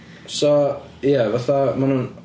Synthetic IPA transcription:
so | javaθamanun

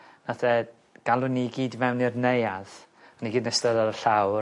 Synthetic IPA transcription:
natʰɛ | ɡ̥alˠʊniɡiːdvɛwnirnejað | aniɡiːdnəstəðɔɾəɬaw

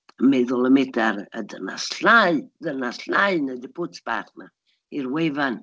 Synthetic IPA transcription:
mɛðʊlˠəmɛtaɾə̰dəna̰sɬajdənasɬajnədəpʰʊsb̥a̰χna | iɾwevan

